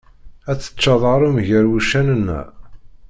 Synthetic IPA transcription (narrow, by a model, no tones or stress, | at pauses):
æt͡sːə̥t͡ʃːɑðˤɑɾˤumʝəɾwiʃænənːæ̰